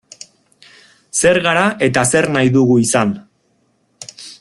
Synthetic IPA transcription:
se̞ɾɣaɾaʔe̞t̪ase̞ɾnajðuɣuisan

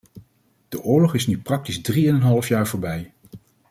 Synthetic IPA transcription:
d̥əʔʊːɹlɔχɪsnyprɑk̚tizdriɛnənɦɑləfjaːɹvoːɹbɛj

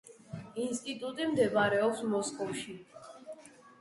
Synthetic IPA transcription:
inst̪ʼit̪ʼut̪ʼimd̪ɛbaɾɛɔpsmɔskʼɔfʃi

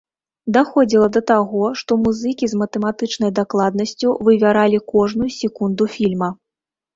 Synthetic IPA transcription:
d̪axɔd͡zʲilˠɐd̪ɐt̪aɣɔʂt̪ɔmuzɨkʲizmɐt̪ɛmat̪ɨt͡ʂnɐjd̪aklˠad̪nɐsʲt͡sʲuvɨvʲaɾalʲikɔʐnujusʲɛkund̪ufʲilʲmɐ

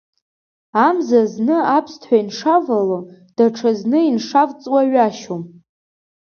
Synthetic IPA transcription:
amzaznɨapʰstʰħʷainʂavalo | d̥aʈ͡ʂʰaznɨinʂavt͡sʼwaɥaʃom

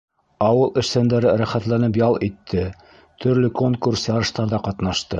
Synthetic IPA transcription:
ɑwɤlˠɘ̆ʃsænd̪æɾɘɾæχæt̪lænɘp̬jɑlˠit̪ʰːɘ | t̪ʰɵ̆ɾlɘkoŋkursjɑɾɤ̆ʃt̪ɑɾðɑqɑt̪nɑʃt̪ɤ

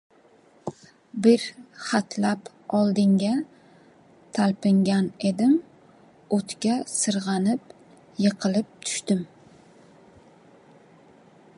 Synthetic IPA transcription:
bɪɾχat̪ʰlap | ɒlˠd̪ɪŋɡʲa | t̪ʰalpɪŋɡʲane̞d̪ɪm | ot̪kʲasɨɾʁɑnɪp̚ | jɨqʰɨlɪp̚t̪ʰʊ̥ʃt̪ɪm

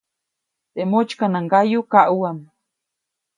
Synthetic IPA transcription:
t̪emot͡ʃkanaŋɡajukaʔuam

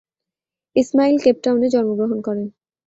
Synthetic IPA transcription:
ismailkep̚ʈawned͡ʑɔɾmoɡɾoɦonkɔɾen

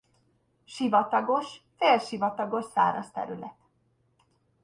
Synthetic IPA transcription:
ʃivɒt̪ɒɡo̞ʃfeːlʃivɒt̪ɒɡo̞ʃsa̰ːɾɒst̪ɛ̰ɾylɛt̪

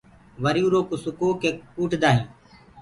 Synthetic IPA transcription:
ʋəɾjuːɾoːkosʊkoːkeːuːʈʰd̪aːɦĩː

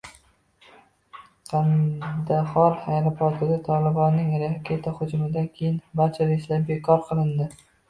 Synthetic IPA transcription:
qʰɑnd̪ahɒɾhajɾapʰɒt̪ʰɪd̪at̪ʰɒlɪbɒnːɪŋɾakʲʰet̪ʰahʊd͡ʒmɪd̪ankʲʰejɪnbaɾt͡ʃʰaɾeʃlaɾbe̞kʰɒɾqʰɨlˠɪnd̪ɪ

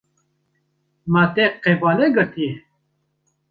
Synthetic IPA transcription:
mat̪eqːebaːleɡət̪ie

